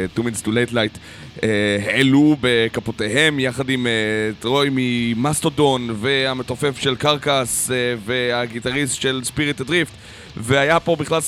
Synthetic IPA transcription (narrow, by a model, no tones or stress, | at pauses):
tuminstulejtlajt | eheelube̞kapoteɦe̞mjaχadimetʁojmimast̪odo̞nve̞amet̪o̞fe̞fʃe̞lkaʁkasve̞aɡitaʁistʃe̞lspiʁit̪edʁift | veajapo̞biχlal